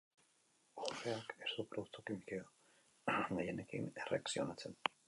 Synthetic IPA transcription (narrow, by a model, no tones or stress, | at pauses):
oreakest̪upɾoðuk̚t̪ukimikeo | ɡajenekḭnereaksio̞nat͡se̞n